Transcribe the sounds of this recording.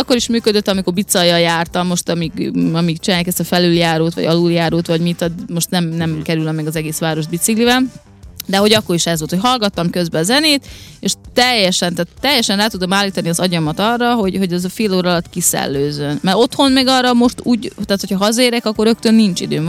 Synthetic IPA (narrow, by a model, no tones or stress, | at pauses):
ɒkːo̞ɾiʃmyːkød̪øt̪ːɒmiko̞rbit̪sɒjːɒljaːrt̪ɒmːo̞ʃt̪ɒmiɡɒmikt͡ʃinaːjaːkɛst̪ɒfɛlyljaːɾoːt̪ʋɒ̰ɟɒluljaːɾoːt̪ʋɒɟmit̪od̪moʃt̪nɛmnɛmkɛɾylɛmːɛɡɒzɛɡeːsʋaːɾo̞ʒd̪bit̪siklivɛn | d̪ɛɦo̞ɟɒkːo̞ɾiʃɛzʋolt̪ʰocʲɦɒlɡɒt̪ːɒmkø̞zbɛːzɛneːt̪eʃt̪ɛjːɛʃɛnt̪aːt̪ːɛjːɛʃɛnraːt̪ud̪omaːlːiːt̪ɒniɒzɒɟɒmɒt̪ɒrːɒɦo̞ɟho̞ɟɛzɒfeːloːɾlɒt̪kisɛ̰lːøːzønmɛɾo̞t̪honmeɡɒrːɒmo̞ʃt̪uːɟt̪aːt̪hocʰɒɦɒzɒeːɾɛkɒkːo̞ɾø̞k̚t̪ønːint͡ʃid̪øː